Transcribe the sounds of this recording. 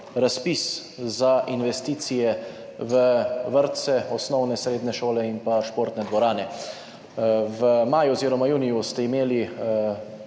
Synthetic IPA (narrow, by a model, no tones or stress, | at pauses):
ɾaspis | zaʔinʋɛst̪iːt̪sijɛʋəʋəɾt̪sɛɔsnɔwnɛsɾeːd̪nɛʃoːlɛinpaʃpoːɾt̪nɛd̪ʋɔɾaːnɛ | ʋəmaːjuɔziːɾɔmajuːnijust̪ɛimeːli